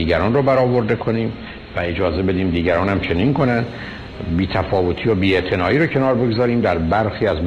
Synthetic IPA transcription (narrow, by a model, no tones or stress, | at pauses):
iːɡæɾɒːnrobæɾɒːvo̞ɾd̪e̞kʰo̞niːm | væe̞d͡ʒɒːze̞be̞d̪iːmd̪iːɟæɾɒːnhæmt͡ʃʰe̞ninko̞nænd̪ | biːt̪ʰæfɒːvot̪ʰiːjobiːe̞ʔt̪ʰe̞nɒːʔiːɾocʰe̞nɒːɾbe̞ɡozɒːɾiːmd̪æɾbæɾxiːæzm